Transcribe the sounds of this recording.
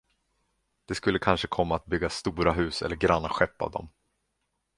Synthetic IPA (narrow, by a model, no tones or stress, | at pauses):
d̪̥ɛskɵlːəkʰanʂəkʰɔmːaːt̪̚bʏɡːast̪uːɾaɦʉ̟ːsɛ̰lːəɾɡɾanːaɧɛpːa̰vd̪ɔ̰m